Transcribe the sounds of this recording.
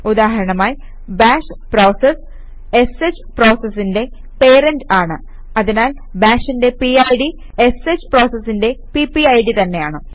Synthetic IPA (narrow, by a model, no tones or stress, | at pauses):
ud̪aːɦɐɾɐɳɐmaːji | baːʂpro̞ːses | e̞set͡ɕː | pro̞ːsɐsːinde̞ | pe̞ːɾɐndaːɳɨ | ɐðinaːl | baːʂinde̞piɐjɽi | eset͡ɕːɨ̥pro̞ːsɐsːinde̞pipːiɐjɽit̪ɐnːe̞jaːɳɨ